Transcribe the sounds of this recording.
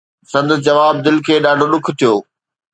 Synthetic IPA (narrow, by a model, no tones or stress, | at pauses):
sɐ̃nd̪əsd͡ʑɐʋaːb̚d̪ɪlkʰeːɗaːɖʱoɗʊkʰt̪ʰijoː